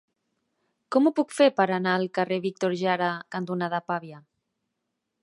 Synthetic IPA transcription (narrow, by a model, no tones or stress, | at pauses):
kɔmupukfeɾpəɾanaəlˠkareβik̚t̪oɾʒaɾakant̪unaðapaβja